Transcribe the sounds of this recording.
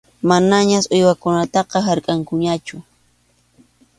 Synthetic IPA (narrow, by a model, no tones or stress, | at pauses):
manaɲasojwakʊnat̪ɑqɑɦaɾkʼaŋkʊɲat͡ʃʊ